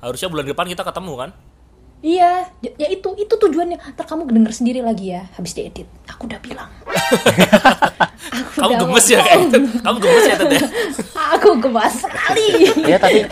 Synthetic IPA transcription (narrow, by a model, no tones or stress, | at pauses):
haɾʊsɲabulanɡəpankit̪akət̪əmukan | ijad͡ʒajait̪uit̪ut̪ud͡ʒuanɲat̪ərkamukdəŋərsəndiɾilaɡijahabɪsdaedɪt̪̚akudab̥ilaŋ | akukamduaəməsjakakamuɡəməjat̪əaakuɡəbasəkalijat̪api